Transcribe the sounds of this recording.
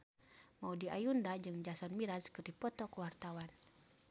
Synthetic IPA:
maudiʔa̰jundad͡ʒɨŋd͡ʒasɔnmiɾaskərdipɔt̪ɔkəwart̪awan

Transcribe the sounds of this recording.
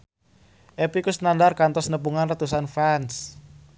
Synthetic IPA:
ʔepikusnandarkant̪ɔsnəpuŋanrət̪us̬anfans

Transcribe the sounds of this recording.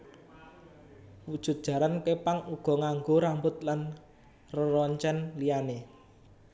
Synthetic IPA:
wud̥ʒ̥ṳt̪̚d̥ʒ̥ä̤ɾankepaŋuɡ̥ɔ̤ŋaŋɡoɾambʊt̪̚lan | rəɾɔɲt͡ʃɛnliane

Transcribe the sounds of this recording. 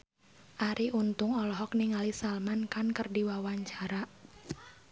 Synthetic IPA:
ʔaɾiʔunt̪ʊŋɔlɔɦɔk̚niŋalisalmankankərdiwawaɲt͡ʃaɾa

